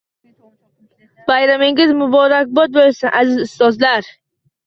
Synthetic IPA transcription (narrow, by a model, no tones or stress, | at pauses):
b̥ajɾamɪŋɪzmʊbɒɾak̚ʲbɒt̪̚bolasanʔazɪzʊst̪ɒzlaɾ